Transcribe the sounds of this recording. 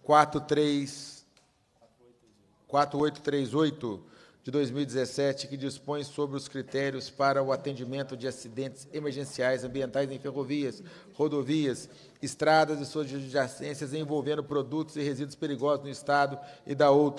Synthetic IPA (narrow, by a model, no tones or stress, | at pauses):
kwat̪ʊt̪ɾes | kwat̪ɾʊojt̪ʊ̥t̪ɾezojt̪ʊ | d͡ʒɪd̪ojzmiwid͡ʒɪzesɛt͡ʃɪkɪd͡ʒispõj̃sobɾɪʊskɾit̪ɛɾiʊspaɾɐʊat̪ẽd͡ʒimẽnt̪ʊd͡ʒɪasid̪ẽnt͡ʃɪz̥emeɾʒẽsiajzɐ̃mbiẽnt̪ajzẽj̃fehoviɐs | hod̪oviɐs | ɪst̪ɾad̪ɐzɪsod͡ʒɪd͡ʒasẽsjɐzẽj̃vowvẽnd̪ʊpɾod̪ut̪ʊzɪhezid̪ʊspeɾiɡɔzʊznʊist̪ad̪ʊɪd̪ɐowt̪ɾɐ